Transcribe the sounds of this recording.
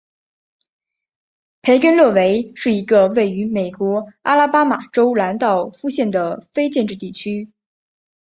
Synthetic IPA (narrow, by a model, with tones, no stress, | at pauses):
pʰe˧˥ɪkə˥nlɤ˥˩we˧˥ɪʂɻ̩˥˩i˧˥ɡə˧we˥˩ɪy˧˥me˨˩ɪkwɔ˧˥a˥la˥pa˥ma˨˩ʈ͡ʂo˥ʊla˧˥nt̪ɑ˥˩ʊfu˥ɕjɛ˥˩nd̪ə˩fe˥ɪt͡ɕjɛ˥˧nʈ͡ʂɻ̩˥˧t̪i˥˩t͡ɕʰy˥